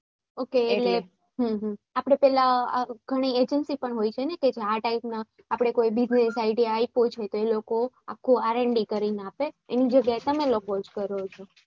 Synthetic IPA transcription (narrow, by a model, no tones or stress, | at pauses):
okeːle | ɦəɦə̃apɽ̃epɛlaɡʱəɽ̃ied͡ʒənsipəɳɦojt͡ʃʰeneked͡ʒeaʈaipna | apɽ̃ekoibɪd͡ʒnesaiɖijaːipot͡ʃʰet̪oeloko | a̰kʰːuaɾeɳɖikəɾinapeḛnid͡ʒəɡjaet̪əmẽlokod͡ʒkəɾot͡ʃʰo